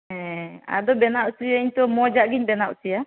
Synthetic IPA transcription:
ɦɛ̃a̰d̪ɔbɛnaʔsiaiɲt̪ɔmɔd͡ʒaʔɡiɲbɛnaʔsija

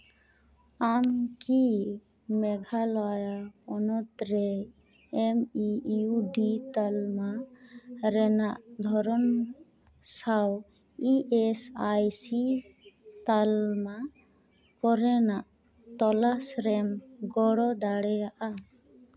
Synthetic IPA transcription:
amki | mɛɡʱalɔjaɔnɔt̪ɾɛ | ɛmiuɖit̪alma | ɾɛnaʔd̪ʱɔɾɔm | saw | iʔɛsajsi | t̪alma | kɔɾɛnaʔ | t̪ɔlasɾɛmɡɔɽɔd̪aɽɛjaʔa

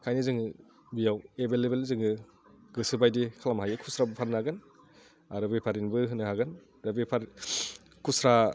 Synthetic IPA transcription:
kʰajnizɯŋɯ | bijawebelebelzɯŋɯ | ɡɯsɯbajdikʰalamɦajɯkʰusɾabɯpʰaɾnːaɡɯn | aɾɯbepʰaɾinbɯɦɯnːɯhaɡɯn | ɾɯbepʰaɾ | kʰusɾa

